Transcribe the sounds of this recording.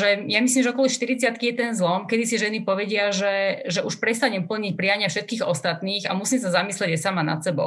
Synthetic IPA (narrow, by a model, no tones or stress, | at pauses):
ʒɛjamisliːmʒɛɔkɔlɔʃt̪iɾit͡sɪat̪kijɛt̪ɛnzlɔmkɛd̪isiʒɛnipɔʋɛɟɪaʒɛʒɛʔuʃpɾɛs̬t̪aɲɛmpl̩ɲic̚pɾijaɲɪafʃɛt̪̚kiːɣɔst̪at̪niːɣa̰musiːms̬azamislɛɟasamana̰t̪sɛbɔ̰ʊ